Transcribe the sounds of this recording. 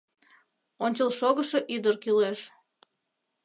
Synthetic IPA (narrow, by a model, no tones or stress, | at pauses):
onʲt͡ɕəlˠʃoɣəʃeʔyd̪ərkyleʃ